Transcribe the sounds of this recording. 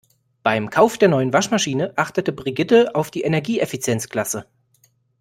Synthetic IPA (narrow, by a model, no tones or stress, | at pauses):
b̥aɪmkʰaʊfd̥eːɐnɔʏənvaʃmaʃiːnəʔaχtətəbʁiɡɪtəaʊfd̥iːʔenɛɐɡiːʔefit͡sjɛnt͡skl̥asə